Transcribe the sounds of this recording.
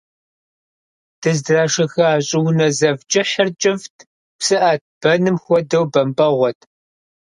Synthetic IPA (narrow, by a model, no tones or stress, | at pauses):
d̥ɨzdraːʂɐxɐaːɕʼɪwnɐzɐvt͡ʃʼɪħɐrt͡ʃʼɪftʰ | psɨʔaːt̚ʰb̥ɐnɨmxʷɔdɐwbɐmbɐʁʷɔtʰ